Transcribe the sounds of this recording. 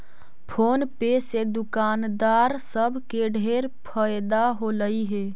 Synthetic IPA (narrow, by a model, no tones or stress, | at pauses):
pʰoːnpesed̪ʊkaːnd̪aːɾsəbʱkeɖʱeːɾpʰəjd̪aɦoləiɦɛː